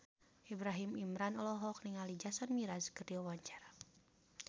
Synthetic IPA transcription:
ʔibɾaɦimimɾanɔlɔɦɔk̚niŋalid͡ʒasɔnmiɾazkəriɔwaɲt͡ʃḁra

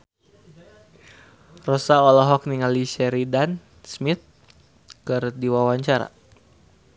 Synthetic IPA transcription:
rɔsaɔlɔɦɔk̚niŋaliʃɛɾidan | smit̪̚ | kɨrdiwawaɲt͡ʃaɾa̰

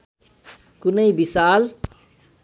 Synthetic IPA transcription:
kʊnəibisaːl

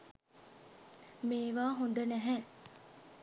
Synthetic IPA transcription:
meːʋaːɦond̪ənæɦɛː

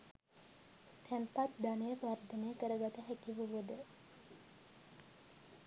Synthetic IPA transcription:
t̪ʰɛmpat̪̚d̪anəjəpard̪ənejəkəɾəɡat̪əɦækiʋuuʋəd̪ə

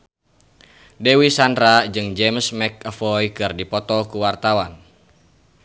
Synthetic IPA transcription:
dɛwisandɾad͡ʒɨŋd͡ʒɛmsmɛk̚əfɔjkɨrdipɔt̪ɔkuwart̪awan

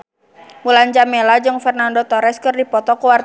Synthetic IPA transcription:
muland͡ʒamɛlad͡ʒɨŋfɛrnandɔt̪ɔɾɛskɨrdipɔt̪ɔkuwar

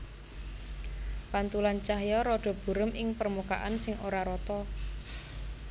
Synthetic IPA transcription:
pant̪ulant͡ʃaɦjɔɾɔɖ̥ɔ̤b̥ṳɾʊmʔɪŋpərmuka̰ʔansɪŋʔoɾaɾɔt̪ɔ

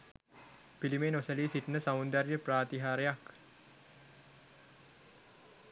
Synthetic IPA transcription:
pilimenosəliːsiʈnəsamund̪aɾjəpraːt̪iɦaːɾejak

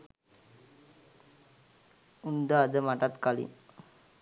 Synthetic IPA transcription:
und̪əːd̪əmaʈat̪kalḭŋ

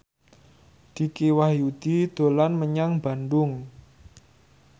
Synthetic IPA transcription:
d̪̥i̤kiwahjud̪̥id̪̥o̤lanməɲaŋb̥a̤ndʊŋ

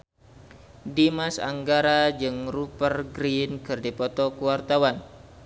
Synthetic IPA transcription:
dimasa̰ŋɡaɾad͡ʒɨŋrupərɡɾinkɨrdipɔt̪ɔkuwart̪awan

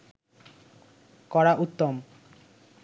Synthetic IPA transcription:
kɔɽaʔut̪ːom

